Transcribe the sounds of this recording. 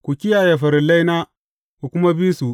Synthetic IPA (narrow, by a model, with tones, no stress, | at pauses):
kʷu˨kʲɪ˦jaː˨je˨ɸɐ˨ɾɪ˨la˦jnaː˦ | kʷu˨kʷʊ˦ma˦biː˦su˨